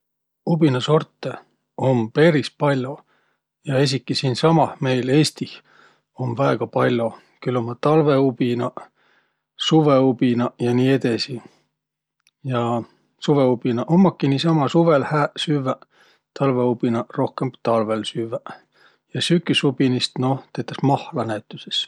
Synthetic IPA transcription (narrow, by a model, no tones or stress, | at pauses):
ub̥inɑso̞rt̪ːˑe | ompe̞ɾispɑlʲːo | jɑes̬ʲikːˑisiːnsɑmɑhme̞jle̞ːst̪ih | o̞mvæeɡ̥ɑpɑlʲːo | kylːomːɑt̪ɑlve̞ubinɑ | suve̞ub̥inɑjɑniːe̞d̪e̞si | jɑ | suveub̥inɑʔomːɑkːiniːsɑmɑsuve̞lhæːsyvæ | t̪ɑlveubinɑro̞hkemt̪ɑlve̞lsyvæ | jɑsykːˑysub̥inist̪no̞t̪et̪ːˑɑsmɑhlɑnæt̪ːˑyses